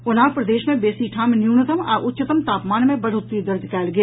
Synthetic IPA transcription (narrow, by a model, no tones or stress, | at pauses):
ʊnaːpɾɐd̪eːʃmẽbeːsiʈʰaːmnjuːnət̪əma̰ʔʊt̪ːʃət̪əmt̪aːpmaːnmẽbɐɾʊt̪ːid̪ɐɾd̪kɛːlɡeː